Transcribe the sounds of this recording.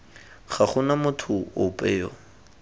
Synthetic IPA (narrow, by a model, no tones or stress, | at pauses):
χaχʊnamʊtʰʊʊpʼeːɔ̰